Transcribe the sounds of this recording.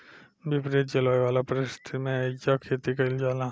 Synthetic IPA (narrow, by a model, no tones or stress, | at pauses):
bɪpɾet̪̚d͡ʒɐlaːjʋaːlapɾɪst̪ʰimẽed͡ʒakʰeːt̪ikɐɪld͡ʒaːlãː